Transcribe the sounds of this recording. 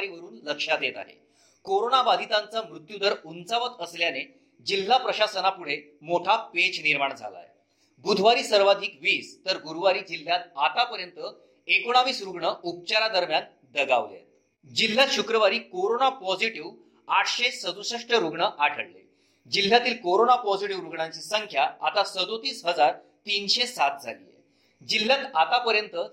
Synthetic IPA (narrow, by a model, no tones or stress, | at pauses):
ɾiːʋəɾuːnləkʂad̪et̪a̰ɦḛ | koɾonabad̪ʱit̪ant͡samɾut̪jud̪əɾunt͡saʋət̪əsljane | d͡ʑil̤ːapɾəɕasənapuɽ̤e | moʈʰapet͡ɕniɾmaɳd͡zʱa̰la̰j | bud̪ʱʋaɾiːsəɾʋad̪ʱiːkʋiːst̪əɾɡuɾuʋaɾiːd͡ʑil̤ːjat̪̚at̪apəɾjənt̪ə | ekoɽ̃aʋiːsɾuɡɳəup̚t͡ɕaɾad̪əɾmjan | d̪əɡa̰ʋlḛḛ | d͡ʑil̤ːjat̪ɕukɾəʋaɾiːkoɾonapɔd͡ziʈiʋ | aʈʰɕesəd̪usəʂʈəɾuɡɳəʔaʈʰəɽlḛ | d͡ʑil̤ːjat̪iːlkoɾonapɔd͡ʑiʈiʋɾuɡɳãɲt͡ɕisəŋkʰjaa̰t̪asəd̪ot̪iːsɦəd͡zaɾ | t̪inɕesat̪̚d͡zʱa̰lḭjḛ | d͡ʑil̤ːjãt̪at̪apəɾjənt̪ə